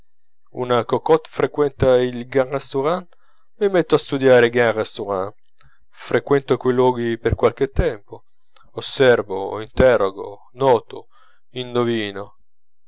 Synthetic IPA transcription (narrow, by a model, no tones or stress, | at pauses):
ṵnakokɔt̪fɾekwɛnt̪ailɡaʁast̪uʁan | mimɛt̪ːoast̪ud̪jaːɾeɡarast̪uʁan | fɾʔekwɛnt̪okilwɔːɡiperkwalk̟et̪ːɛmpo | osːɛrvoint̪ɛroɡo̰ | nɔːt̪o | inːoviːno